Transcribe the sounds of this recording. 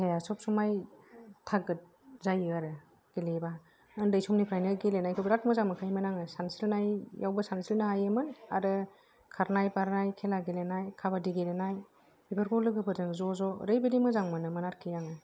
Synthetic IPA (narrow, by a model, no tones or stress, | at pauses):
hejasɔp̚sumajtʰaɡɯt̚ | zajɯaɾɯ | ɡ̥eleba | ɯndɯjsɔmnipʰɾajnɯɡelenajkʰɔbɾat̚mɯzaŋmɯkʰajmɯnaŋɯsansilnajjawbɯsansilnaɦajɯmɯna̰ɾɯ | kʰaɾnajpaɾnajkʰelaɡelenajkʰabadiɡelenaj | b̥ipʰɯɾkʰɔlɯɡɯbɯɾzɯŋzɔzɔɾɯjbedimɯzaŋmɯnɯmɯnaɾkʰijaŋɯ